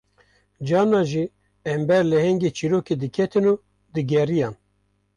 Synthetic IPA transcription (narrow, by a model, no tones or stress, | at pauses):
d͡ʒɑːnɑːʒi | ɛmbɛɾlɨhɛŋɡeːt͡ʃʰiɾoːked̪ɨkʰɛt̪ʰɨnuː | d̪ɨɡɛrijɑːn